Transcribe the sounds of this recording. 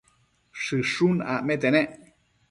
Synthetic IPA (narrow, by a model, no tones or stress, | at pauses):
ʂɨʂuna̰met̪eneʔ